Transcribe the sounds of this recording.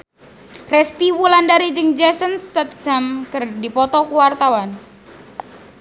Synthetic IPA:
rɛst̪iwulandaɾid͡ʒɨŋd͡ʒɛsənsːat̪d̪̥amkɨrdipɔt̪ɔkuwart̪awan

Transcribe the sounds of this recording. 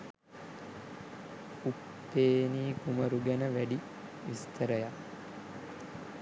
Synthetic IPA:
upːeːniːkuməɾuɡænəʋæɖi | ʋist̪əɾəjak

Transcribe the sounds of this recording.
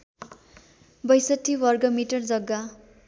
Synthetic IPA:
bʌjsʌʈʰːiwʌrɡʌmiʈʌrd͡zʌɡːa

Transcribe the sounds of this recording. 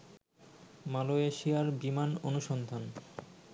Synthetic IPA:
maloeʃiaɾbimanonuʃɔnd̪ʱan

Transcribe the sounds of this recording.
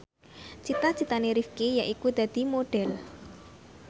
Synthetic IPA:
t͡ʃit̪at͡ʃit̪aneɾifkejaʔikud̪̥ä̤d̪̥i̤moɖ̥ɛl

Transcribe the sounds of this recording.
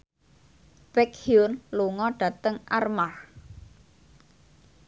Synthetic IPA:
b̥ɛkhjunluŋɔɖ̥ä̤t̪əŋʔarmah

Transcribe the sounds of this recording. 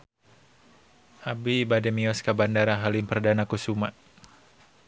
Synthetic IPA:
ʔabiːbadɛmiɔskabandaɾaɦalimpərdanakusuma

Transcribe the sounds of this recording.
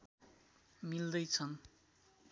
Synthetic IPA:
mild̪ʌjt͡sʰʌn

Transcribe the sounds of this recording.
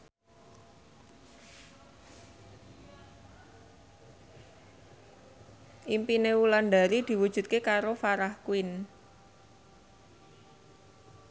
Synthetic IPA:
ʔimpineulanɖaɾid̪̥i̤wud̥ʒ̥ṳt̪̚kekaɾofaɾahkuɪn

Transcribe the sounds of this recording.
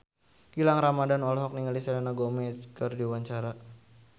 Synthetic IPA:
kilaŋɾamadanɔlɦɔk̚niŋalisalanaɡɔmɛskərdiwaɲt͡ʃaɾa

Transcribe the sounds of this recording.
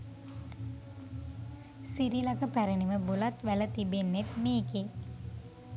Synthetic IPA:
siɾilakəpæɾəniməbulat̪ʋælət̪ibenːet̪meːke

